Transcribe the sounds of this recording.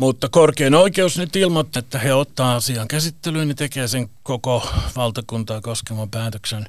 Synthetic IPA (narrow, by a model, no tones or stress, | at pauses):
mut̪ːɑkorkeːnoikeusnyt̪ilmot̪ːɑet̪ːæheot̪ːɑːɑsiɑːŋkæsit̪ːelyːnnet̪ekeːseŋkokoʋɑlt̪ɑkunt̪ɑːkoskemɑmpæːt̪øksen